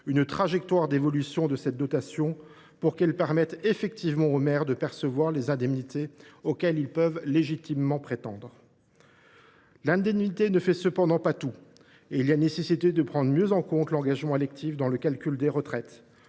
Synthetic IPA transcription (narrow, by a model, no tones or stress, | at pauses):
ynt̪χaʒɛk̚t̪waʁd̪evɔlysjɔ̃d̪əsɛt̪̚d̪ɔt̪asjɔ̃ | puʁkɛlpɛʁmɛt̪efɛk̚t̪ivmɑ̃omɛʁd̪əpɛʁsəvwaʁlezɛ̃d̪ɛmnit̪eokʲɛlilpœvleʒit̪imːɑ̃pχet̪ɑ̃d̪ʁ | lɛ̃d̪ɛmnit̪enəfɛsəpɑ̃d̪ɑ̃pat̪u | eilanesesit̪ed̪əpχɑ̃d̪ʁəmjøzɑ̃kɔ̃t̪lɑ̃ɡaʒmɑ̃elɛk̚t̪ʰifd̪ɑ̃ləkalkʲyld̪eʁət̪χɛt̪